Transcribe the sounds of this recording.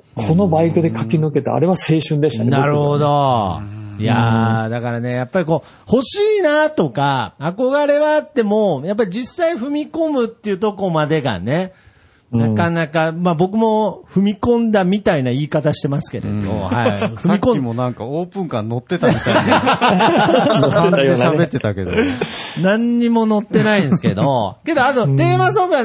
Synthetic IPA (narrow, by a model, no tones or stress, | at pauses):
kʰo̞no̞baikod̪e̞kakʲinɯke̞t̪a̰a̰ɾe̞βase̞ːɕɨ̃nd̪e̞ɕi̥t̪akenaɾɯ̟ho̞d̪o̞ | ja̰d̪akaɾane̞japːaɾʲiko̞ː | ho̞ɕiːnat̪o̞kaːko̞ɡaɾe̞βaːt̪ːe̞mo̞jap̬ːaɾʲid͡ʑisːaiɸɯ̟mʲiko̞mɯ̟t̪ːe̞iɯ̟ːt̪o̞ko̞mad̪e̞ɡa̰ne̞ | nakanakamabo̞k̬ɯ̟mo̞ɸɯ̟mʲikõ̞nd̪amʲit̪ainaiːkat̪aɕi̥t̪e̞masɨ̥ke̞̰ɾḛd̪o̰aɸɯ̟mikõmonãŋkaoːpɯ̟̃ŋkãnno̞t̪ːe̞t̪amia | ekid̪eɕabe̞t̪ːe̞t̪aked̪onãɲ̟ːimo̞no̞t̪ːe̞naĩnsɨ̥ke̞̰d̪o̰ke̞d̪o̞at̪o̞t̪e̞ːmas̬obɯa